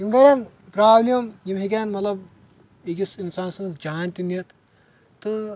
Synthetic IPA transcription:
inɖoɽɐn | pɾaːblijɐmjimɦek̬ʲaːnmɐt̪lɐb | ekisinsaːnsɐnt̪d͡ʒaːnʲt̪inijɐt̪ʰ | t̪ɨ

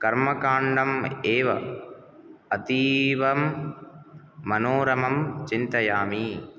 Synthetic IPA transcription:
kɐɾmɐkaːɳɖɐmeːʋɐ̰ | ɐt̪iːʋɐm | ɐnoːɾɐmɐmt͡ʃint̪ɐjaːmi

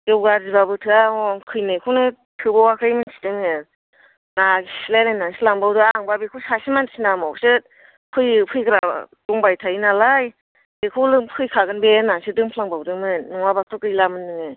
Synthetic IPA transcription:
ɡewɡaɾzibabɯtʰɯaɔŋkʰɯjnekʰuwnɯ | tʰɯbawakʰɾajmɯnsi̥dɯŋe | nasilanajnaŋsilaŋbawdɯaŋbabekʰuwsasimansinamɔksɯ | pʰɯjpʰɯjkɾaduŋbajtʰajinalaj | bekʰuwlɯpʰɯjkʰaɡɯnbenaŋsidɯŋpʰlaŋbawdɯŋmɯnːɔŋwabak̚tʰɔkɯjlamɯnːɯŋɯ

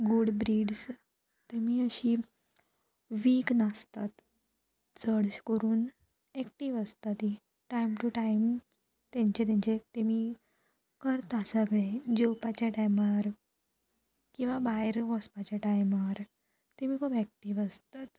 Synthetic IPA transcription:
ɡuɽbɾiːɖs | t̪emiːəɕiː | ʋiːknast̪at̪ | t͡səɽɕkəɾuːn | ɛk̚ʈiːʋəst̪at̪i | ʈajmʈuʈaim | t̪ãɲt͡ɕet̪̬ãɲt͡ɕet̪emiː | kəɾt̪asəɡɭed͡ʑowpat͡ɕaʈajmaɾ | kĩw̃ʋabaɾʋəspat͡ɕaʈajmaɾ | t̪emiːkʰuːpɛk̚ʈiːʋəst̪at̪

